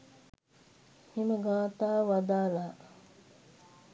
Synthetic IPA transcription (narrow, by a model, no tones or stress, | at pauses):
himəɡaːt̪aːʋad̪aːlaː